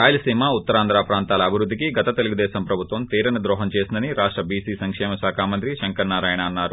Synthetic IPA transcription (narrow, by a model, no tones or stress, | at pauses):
ɾaːjɐlɐsiːmaut̪ːɐɾaːnd̪ɾaːpɾaːnt̪aːlɐːbʱiɾud̪ːikiɡɐt̪ɐt̪e̞luɡud̪ɛːʃɐmpɾɐbʱut̪ʋɐmt̪iːɾɐnɐd̪ɾɔːɦɐɲt͡ʃe̞ːsind̪ɐniɾaːʂʈɾɐbiːsiːsɐŋkʂɛːmɐsaːkʰaːmɐnt̪ɾiʃɐŋkɐɾnaːɾaːjɐnɐːnːaːɾu